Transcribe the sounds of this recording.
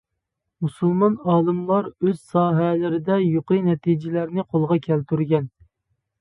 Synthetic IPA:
musulˠmɑnɑːlˠɨmlˠɑɾøz̥sɑːɦɛlɪɾɪd̪ɛjoqɨjnɛt̪ʰid͡ʒɪlæɾnɪqʰolˠʁɑkʲʰɛlt̪ʰyɾɡʲɛn

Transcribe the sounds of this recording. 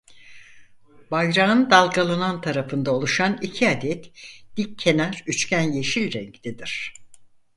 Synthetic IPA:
bajɾaɯnd̪alˠɡalˠanant̪ʰaɾafɯnd̪aolˠuʃanicʰiad̪ɛt̪d̪̥ikʰːe̞næɾyt͡ʃcʲʰænjeʃilʲɾɛɲct̪ʰɛd̪iɾ̝̥

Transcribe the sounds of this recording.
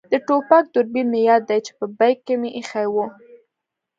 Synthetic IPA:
d̪əʈopak̚d̪ʊɾbiɾmejɑd̪ːajt͡ʃe̥pəbajkːemeʔixajwu

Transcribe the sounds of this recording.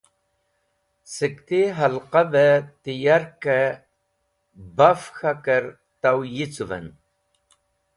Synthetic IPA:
səkt̪iɦalqabət̪ijaɾkə | bafxakəɾ | t̪awjit͡suvə̰n

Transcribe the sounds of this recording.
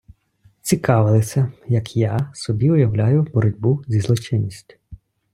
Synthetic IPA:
t͡sʲikɑʋɪlˠɪsʲɐjɐkjasɔbʲiʊjɐwlʲajʊbɔɾɔdʲbuzʲizlˠɔt͡ʃɪnʲːisʲtʲ

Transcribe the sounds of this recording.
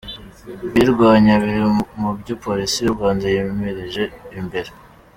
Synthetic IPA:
βiɾɡwaːɲaβiɾimubɟopo̞ɾisijuɾɡwaːndajemeɾeʒe̞imbe̞ɾe

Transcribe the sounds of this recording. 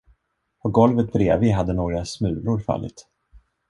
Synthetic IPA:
pʰɔɡɔlvət̪̚bɾḛːvɪɦad̪ːənoːɡɾasmʉ̟ːlʊɾfa̰lːɪ̰t̪

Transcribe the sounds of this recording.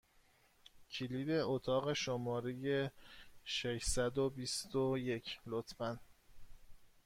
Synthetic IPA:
cʰiliːd̪e̞ot̪ʰɒːɣe̞ʃomɒːɾejeʃeʃsæd̪obist̪oje̞cʰlot̪ʰfæn

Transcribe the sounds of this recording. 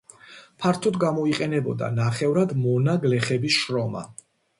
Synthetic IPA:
pʰaɾt̪ʰɔd̪ɡamɔiqʼɛnɛbɔ̰d̪a̰naχɛvɾad̪mɔnaɡlɛχɛbisʃɾɔma̰

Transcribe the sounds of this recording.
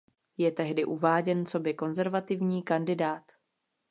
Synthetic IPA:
jɛt̪ɛɦdɪʔuvaːɟɛnt͡so̞bɪko̞nzɛɾvat̪ɪvɲiːkandɪdaːt̪

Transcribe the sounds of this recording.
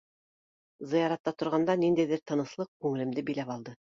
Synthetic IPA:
zɤ̆jɑɾɑt̪ːɑt̪ŏɾʁɑnd̪ɑnind̪æjðɘɾt̪ɤ̆nɤ̆slˠɤq̚kʉŋɘ̆lɘ̆md̪ɘbĭjlæpɑlˠd̪ɤ

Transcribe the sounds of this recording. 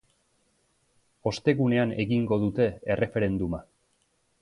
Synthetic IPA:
o̞st̪e̞ɣune̞ane̞ɣiŋɡo̞ðut̪e̞ere̞fe̞ɾe̞nd̪uma

